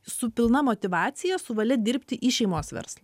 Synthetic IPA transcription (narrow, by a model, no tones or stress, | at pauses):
sʊpʲɪlˠnɐmoːt̪ʲɪʋɑːt̪sʲɪjɛsʊʋɐlʲɛd̪ʲɪɾʲpʲt̪ʲɪʔiːʃʲɛɪmoːsʋʲɛ̰ɾslˠɐ